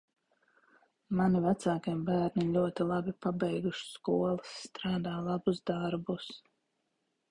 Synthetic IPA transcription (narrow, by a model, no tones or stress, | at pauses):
manivæt̪saːkiɛmbæːɾnilʲuɔt̪ilˠabipabɛjɡuʃskuɔlˠɨsːt̪ɾaːd̪aːlˠabuzd̪aɾbus